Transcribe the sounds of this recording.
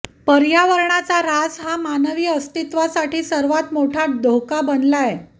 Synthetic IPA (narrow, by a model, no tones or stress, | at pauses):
pəɾjaʋəɾɳat͡saɾad͡zɦamanʋiːəst̪it̪ʋasaʈiːsəɾʋat̪moʈʰad̪ʱokabənlaje